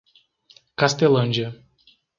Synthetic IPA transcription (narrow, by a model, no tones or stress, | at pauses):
kast̪elɐ̃nd͡ʒiɐ